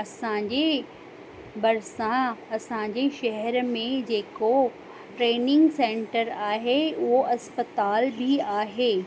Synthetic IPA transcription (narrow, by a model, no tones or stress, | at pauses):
ɐsãɲd͡ʑe | bɐɾsãɐsãɲd͡ʑeʃɐɦɛɾmẽd͡ʑeːko | ʈɾeːnɪ̃ŋɡsẽːɳʈəɾaːɦeʊɦoʔɐspət̪aːlbʱiaːɦeː